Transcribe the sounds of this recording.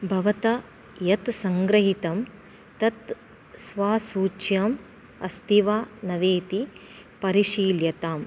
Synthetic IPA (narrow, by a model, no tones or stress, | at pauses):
bʱɐʋɐt̪ɐ | jɐt̪sɐŋɡɾɐɦit̪ɐm | t̪ɐt̪ | sʋaːsuːt͡ʃjɐm | ɐ̰st̪iʋaːnɐʋeːt̪i | pɐɾiʃiːljɐt̪aːm